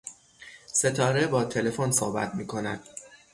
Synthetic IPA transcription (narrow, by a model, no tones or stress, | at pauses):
se̞t̪ʰɒːɾe̞bɒːt̪ʰe̞le̞fonsohbæ̰t̪miːkʰo̞næd̪̥